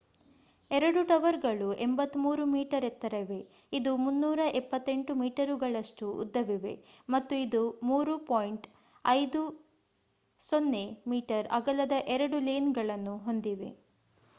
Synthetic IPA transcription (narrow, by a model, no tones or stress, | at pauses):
ɛɾɐɽuʈɐʋɐɾɡɐɭuʔembɐt̪ːumuːɾumiːʈɐɾet̪ːɐɾɐʋe̞ | id̪umunːuːɾɐʔɛpːɐt̪ːe̞ɳʈumiːʈɐɾuɡɐɭɐʂʈuṵd̪ːɐʋiʋe̞̰mɐt̪ːuid̪umuːɾupoːjɳʈ | ɐjd̪u | sonːemiːʈɐɾɐ̰ɡɐlɐd̪ɐʔɛɾɐɽuleːnɡɐɭɐnːuɦo̞nd̪iʋe̞̰